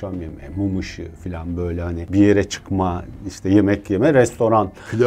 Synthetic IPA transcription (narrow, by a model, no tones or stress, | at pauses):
amjemɛmumɯʃɯfilʲanbø̞jlʲɛhanibijeɾɛt͡ʃʰɯ̥kmaiʃt̪ʰɛje̞mɛcjemɛɾɛst̪ʰo̞ɾanfilʲa